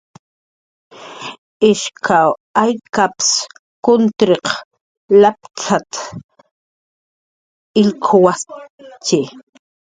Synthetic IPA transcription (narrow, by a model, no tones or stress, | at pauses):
ɪʃkʰawajkaps | kʊnt̪ɾeq | lap̚t͡ʃʰat̪ | ɪlkʰowat͡ʃɪ